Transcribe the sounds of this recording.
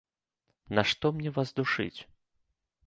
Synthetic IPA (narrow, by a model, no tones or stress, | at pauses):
naʂt̪ɔmnʲɛvazd̪uʂɨ̰t͡sʲ